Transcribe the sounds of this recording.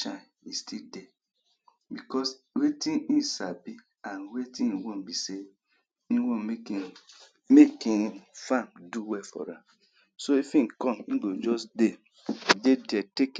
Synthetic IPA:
t͡ʃã | istʰidɛ | bikɔs | wetĩĩsabi | ãnwetĩiwõnbise | ĩwõni | mekĩnfãmduwɛfɔ̰ɾã | soifĩnkɔ̃mĩɡod͡ʒɔsde | dedɛtek

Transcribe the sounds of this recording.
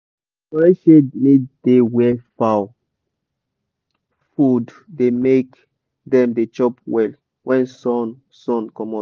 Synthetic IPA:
ɔɹɛʃemid̥ewɛfaw | fud | demek | dɛ̃mdet͡ʃɔpwɛl | wɛ̃nsɔn | sɔ̃nkɔ̃mɔ

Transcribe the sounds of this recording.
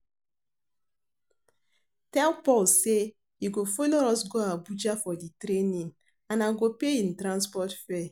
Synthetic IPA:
tɛlpɔlse | iɡofoloɾɔsɡoabud͡ʒafɔditɾenĩŋ | ãnaɡopeĩntɾãnspɔtfɛ

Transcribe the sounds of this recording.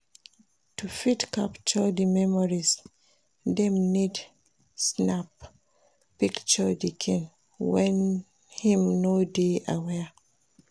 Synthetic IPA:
tufidkapt͡ʃɔdimɛmɔɹis | dɛmnid | snap | pikt͡ʃədikʰĩn | wɛ̃n | hĩmnodeʔa̰wɛ

